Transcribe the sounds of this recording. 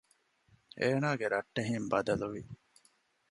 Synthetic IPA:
eːnaːɡeɾɐʈːɐɦimbɐd̪ɐluʋi

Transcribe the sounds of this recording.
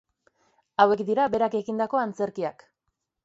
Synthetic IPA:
awe̞kd̪iɾabe̞ɾake̞ɣind̪ako̞ant͡se̞ɾkiak

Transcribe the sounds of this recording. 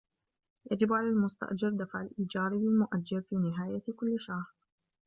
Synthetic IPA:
jad͡ʒɪbʕalaːlmʊst̪a̰ʔd͡ʒɑɾˤd̪afʕalʔiːd͡ʒɑːɾˤlɪlmʊʔad͡ʒːaɾfiːnɪɦaːjakʊlːɪʃahɾɾ

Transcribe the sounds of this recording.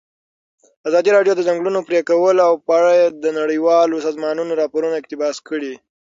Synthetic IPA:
azɑd̪iɾɑɖjod̪əzaŋɡɽunopɾekawəlawpəaɽajed̪ənaɽəjwɑlosɑzmɑnunoɾɑpoɾunaɪkt̪ɪbɑskəɽi

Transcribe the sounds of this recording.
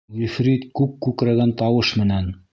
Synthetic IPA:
jɵfɾit̪kʉp̚kʉkɾæɡænt̪ɑwɤʃmɘ̆næn

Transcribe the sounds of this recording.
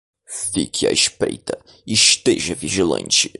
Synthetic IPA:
fikʰia̰iʃpɾejt̪ɐ | iʃt̪eʒɐviʒilɐ̰̃nt͡ʃɪ̥

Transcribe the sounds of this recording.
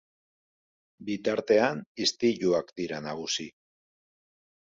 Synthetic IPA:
bit̪aɾt̪e̞anist̪iʎuakd̪iɾanaɣ̞usi

